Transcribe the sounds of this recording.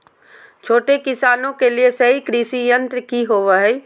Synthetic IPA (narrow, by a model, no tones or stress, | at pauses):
t͡ʃʰoːʈekɪsaːnõkeliesɐɦikɾisijə̃nt̪ɾəkiɦoːʋaɦɛ